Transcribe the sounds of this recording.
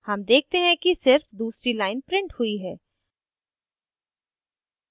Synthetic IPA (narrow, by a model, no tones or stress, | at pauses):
hɐmd̪eːk̚t̪eɦɛ̃kisɪɾfd̪uːsɾilaːɪnpɾɪ̃ɳʈhʊiɦɛː